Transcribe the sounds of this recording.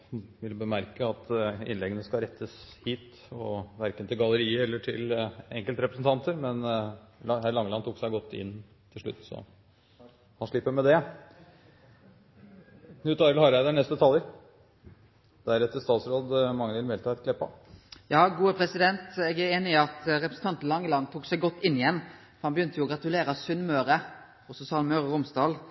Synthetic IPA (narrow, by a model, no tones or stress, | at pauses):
ʋɪlbəmæɾkəɑt̪ɪ̰nlɛɡənəskɑɾɛt̪ʰːəshiːt̪ | ɔʋæɾkənt̪ʰɪlɡɑləɾiːəɛlːəʈʰɪ̰lɛŋkəlt̪ɾɛpɾəsn̩t̪ɑnt̪əɾmɛn | hæɾɭlɑŋːəlɑnt̪ʰuːksæɪɡɔt̪ːɪ̰n | t̪ʰɪlʂɭʉ̰t̪ːsɔ̰ | hɑnʂɭɪpːəɾmɛd̪ɛ | nʉːt̪ɑɾəlhɑɾæɪd̪ənɛst̪ət̪ʰɑlːəɾ | d̪̥æɾɛt̪ːəst̪ɑːt̪sɾoːd̪mɑŋːəʋɪlʋɛlt̪ʰɑːɛt̪kʰlɛpːɑ̰jɑːɡuːəpʰɾɛsɪd̪ɛnt̪ɛɡæɾeːnɪɪɑt̪ɾɛpɾəsn̩t̪ɑnt̪lɑŋːlɑnt̪ʰuːksæɪɡɔt̪ːɪnːɪjɛnː | fɔɾhɑnbəjʏnt̪əjʊːɡɾɑt̪ʉleːɾɑsʉnmøːɾə | ɔsɔsɑlmøːɾəɾʊmsd̪ɑːl